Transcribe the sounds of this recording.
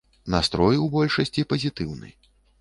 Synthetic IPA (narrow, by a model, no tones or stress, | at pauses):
nast̪ɾɔjwbɔlʲʂɐsʲt͡sʲipɐzʲit̪ɨwnɨ̰j